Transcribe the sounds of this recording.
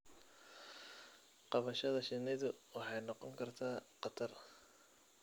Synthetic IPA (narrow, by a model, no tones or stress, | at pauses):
qɑβɐʃɐðɐʃɪnɪðʊwɑħɑjnɑqɔŋkʰɐrt̪ʰaːqɑt̪ʰɐr